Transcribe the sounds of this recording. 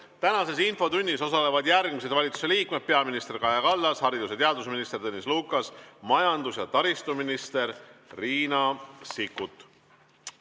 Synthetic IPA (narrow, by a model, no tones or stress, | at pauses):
t̪ænɑse̞sinfo̞t̪unʲːiso̞sɑle̞vɑd̪jærɡ̥mis̬e̞d̪̥vɑlʲit̪su̥se̞liːkme̞d̪̥̚pe̞ɑminist̪e̞rkɑjɑkɑlːɑshɑɾid̪uset̪eɑd̪usminist̪e̞rt̪ɤːnʲisluːkːˑɑsmɑjɑnd̪usjɑt̪ɑɾist̪uminist̪e̞ɾːiːnɑsikːˑut̪ˑ